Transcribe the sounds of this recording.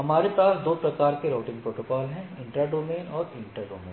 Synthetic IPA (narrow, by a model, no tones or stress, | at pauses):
ɦɐmaːɾepaːsd̪oːpɾɐkaːɾkeɾoːʈɪ̃ŋɡ̚pɾoːʈoːkɔːlɦɛ̃ɪ̃ɳʈɾaɖoːmeːnɔːɾɪ̃ɳʈɾaɖoːmḛːn